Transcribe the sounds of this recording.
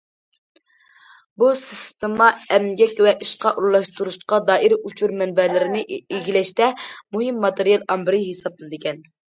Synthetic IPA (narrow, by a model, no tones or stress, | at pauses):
busist̪emɑɛmɡʲɛkʲwɛʔiʃqɑʔullˠɑʃt̪ʰuɾuʃqɑd̪ɑːʔiɾut͡ʃʰuɾmɛnbɛlɪɾɪnɪiɡʲilɛʃt̪ɛmuɦɪmːɑt̪eɾijɑlˠɑmbɾɨɦesɑp̚lˠɨnɨd̪ɪkʲɛn